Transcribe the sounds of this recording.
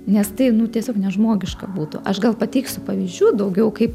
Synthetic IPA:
nʲɛst̪ɐɪnʊt̪ʲiɛsʲoːknʲɛʒmoːɡʲɪʃkɐbuːt̪ʊ̰ʔɐʃɡɐlˠpɐt̪ʲɛɪksʲʊpɐʋʲiːzʲd͡ʒʲuːd̪ɐʊɡʲɛʊkɐɪp

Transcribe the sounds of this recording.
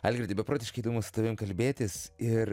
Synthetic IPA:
ɐːlʲɡɾʲɪd̪ʲɪbʲɛpɾoːt̪ʲɪʃkɐɪid̪oːmʊsʊ̥t̪ɐʋʲɪmkɐlʲbʲeːt̪ʲɪsɪɾ

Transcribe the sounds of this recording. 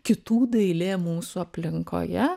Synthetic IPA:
kʲɪt̪uːd̪ɐɪlʲeːmuːsuɐpʲlʲɪŋko̰ːjɛ

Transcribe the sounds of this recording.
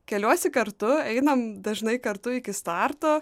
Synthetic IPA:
kʲɛlʲuɔsʲɪkɐɾt̪ʊɛɪnɐmd̪ɐʒnɐɪkɐɾt̪ʊɪkʲɪst̪ɑɾt̪oː

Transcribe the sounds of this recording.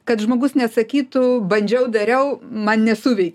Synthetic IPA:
kɐt̪ʒmoːɡʊsnʲɛtsɐkʲiːt̪ʊbɐnʲd͡ʒʲɛʊd̪ɐɾʲɛʊmɐnnʲɛsuːʋʲɛɪkʲ

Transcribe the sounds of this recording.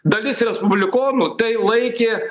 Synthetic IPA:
d̪ɐlʲɪsɾʲɛspʊbʲlʲɪkoːnʊt̪ɐɪlˠɐɪkʲeː

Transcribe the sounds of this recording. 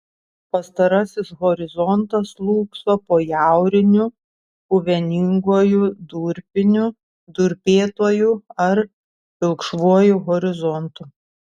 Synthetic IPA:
pɐst̪ɐɾɐsʲɪsɣɔɾʲɪzɔnt̪ɐslˠuːksoːpoːjæˑʊɾʲɪnʲʊ | uʋʲɛnʲɪŋɡuːjud̪uɾʲpʲɪnʲʊ | d̪ʊɾʲpʲeːt̪oːjuɐɾ | pʲɪlˠkʃʋuɔjuɣɔɾʲɪzɔnt̪ʊ

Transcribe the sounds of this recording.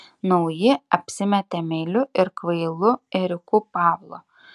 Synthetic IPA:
nɒʊjɪɐpʲsʲɪmʲɛt̪ʲɛmʲɛɪlʲʊɪɾkʋɐɪlˠʊɪɾʲɪkuːpɑːʋlˠo̰

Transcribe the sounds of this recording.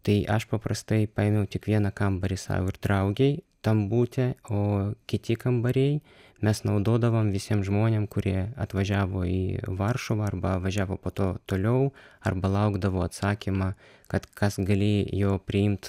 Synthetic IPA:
t̪ɐɪʔɐʃpɐpɾɐst̪ɐɪpɑːɛmʲɛʊt̪ʲɪkʋʲiɛnɐkɐmbɐɾʲɪsɑ̰ːʋʊɪɾd̪ɾɐʊɡʲɛɪt̪ɐmbuːt̪ʲɛoːkʲɪt̪ʲɪkɐmbɐɾʲɛɪ | mʲɛsnɐʊd̪oːd̪ɐʋoːmʋʲɪsʲiɛmʒmoːnʲeːmkʊɾʲiɛɐt̪ʋɐʒʲæːʋoːiːʋɐrʃoʋɐɐrbɐʋɐʒʲæːʋoːpoːt̪oːt̪oːlʲɛʊɐrbɐlˠɐʊɡd̪ɐʋoːɐt̪sɑːkʲimɑ | kɐt̪kʰɐsɡɐlʲeːjoːpʲɾʲɪɪmt̪

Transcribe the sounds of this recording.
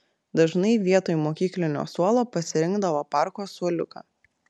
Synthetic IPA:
d̪ɐʒnɐɪʋʲiɛt̪oːjmoːkʲiːklʲɪnʲo̰ːsuɔlˠoːpɐsʲɪɾʲɪŋɡd̪ɐʋoːpɑˑɾkoːsuɔlʲʊkɑ̰ː

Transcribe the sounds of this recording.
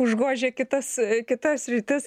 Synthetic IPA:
ʊʒɡoːʒʲeːkʲɪt̪ɐskʲɪt̪ɐssʲɾʲɪt̪ʲɪs

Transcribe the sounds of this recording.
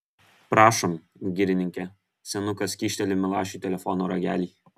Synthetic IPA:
pɾɑːʃɔmɡʲɪɾʲɪnʲɪŋʲkʲɛ | sʲɛnʊkɐskʲiːʃʲt̪ʲɛlʲɪmʲɪlˠɑːʃʲuːˑt̪ʲɛlʲɛfɔnoːɾɐɡʲæ̰ːlʲiː

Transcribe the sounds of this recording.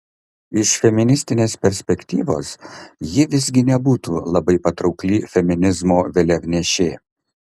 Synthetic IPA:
ɪʃfʲɛmʲɪnʲɪsʲt̪ʲɪnʲeːspʲɛɾʲsʲpʲɛkʲt̪ʲḭːʋo̰ːsjɪʋʲɪzʲɡʲɪnʲɛbuːt̪uːlˠɐbɐɪpɐt̪ɾɒʊklʲifʲɛmʲɪnʲɪzmoːʋʲɛlʲɛɡnʲɛʃʲeː

